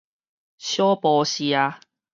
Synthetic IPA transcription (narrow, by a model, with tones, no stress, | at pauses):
ɕjɔ˦pɔː˧ɕi˧a˧